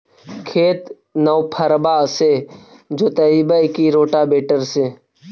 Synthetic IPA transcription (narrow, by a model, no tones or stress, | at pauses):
kʰeːt̪ | nəwpʰəɾbaːse | d͡ʒoːt̪əibəkiɾoːʈabeːʈəɾseː